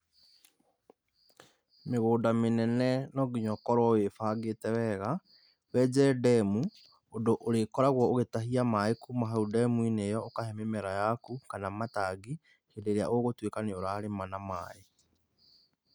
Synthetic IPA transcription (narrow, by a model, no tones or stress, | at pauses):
meɣoːndamenɛnɛnɔɡiɲɔkɔɾwɔwefaːɡetɛwɛɣa | wɛd͡ʒɛdɛmu | ondoʔoɾekɔɾaɣwɔoɣetaɦiamaekumaɦaudɛmuinejɔokahɛmemɛɾajakukanamataɡi | hedeɾeaʔoɣotwekaneoɾaːɾemanamae